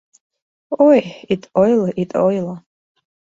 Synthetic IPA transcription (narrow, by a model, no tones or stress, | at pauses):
ojitʼojlaʔitʼojla